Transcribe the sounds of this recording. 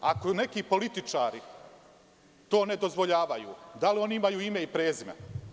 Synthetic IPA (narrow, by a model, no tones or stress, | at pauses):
akone̞kiːpo̞lit̪it͡ʃaːɾi | t̪o̞ːne̞d̪o̞zʋo̞ʎaːʋajṵːd̪alio̞niimajuːime̞ipɾeːzimḛ